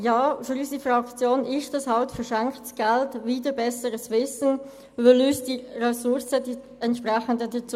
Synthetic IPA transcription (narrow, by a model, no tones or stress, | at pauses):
jaːfyɾyːsifʁɑkt͡sjoːnɪʃd̥ɑshɑltfəɾʃɛŋktsɡ̥ɛltviːdəbɛsəɾəsvɪsn̩ | vɪlyːsd̥irɛsʊɾsədi | ɛntʃpʁɛxəndədət͡s